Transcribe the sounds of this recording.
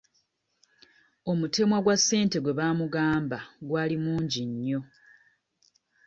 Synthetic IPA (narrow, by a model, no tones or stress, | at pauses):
o̞mute̞mwaɡwasːe̞ːnte̞ɡwe̞βaːmuɡaːmbaɡwaːlimuːɲɟiɲːo̞